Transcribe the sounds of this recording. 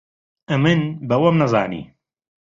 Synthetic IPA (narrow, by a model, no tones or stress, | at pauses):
ɨmɨnbɐwɐmnɐza̰ːnḭː